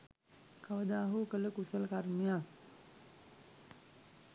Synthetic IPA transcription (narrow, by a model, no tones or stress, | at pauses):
kaʋəd̪aːɦukələkusəlkarmijak